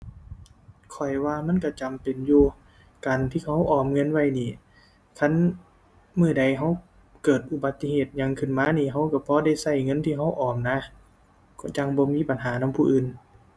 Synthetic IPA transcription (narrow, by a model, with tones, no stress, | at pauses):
kʰɔ˨˩jwaː˧ma˧˥˨nka˧˩t͡ɕa˨mpe˨njuː˧ | kaː˨nt̪ʰiː˧˩kʰa˧˩wʔɔː˨˩mŋɤ˧˥˨nwa˧˨jniː˧˩˨ | kʰa˧˥˨n | mɯː˧˩˨da˨˩jɦa˧˥˩w | kɤː˨˩t̪̚ʔu˧ba˨˧˦t̪ːi˧heː˨˩t̪̚ɲa˧˨ŋkʰɯ˧˩nmaː˧˥˨niː˧˩ɦa˧˥wka˧˩pʰɔː˧˥˦da˧˩jsa˧˩jŋɤ˧˥˨nt̪ʰiː˧ɦa˧˥˩wʔɔː˨˩mna˧˥ | kɔ˧˩t͡ɕa˧˩ŋbɔː˧˦miː˧˥˨pa˨nɦaː˨˦na˧˥˨pʰuː˧˨ʔɯː˨˩n